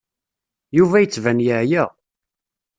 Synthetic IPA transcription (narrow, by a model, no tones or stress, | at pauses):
juvæjət͡sːvænjəʕjæ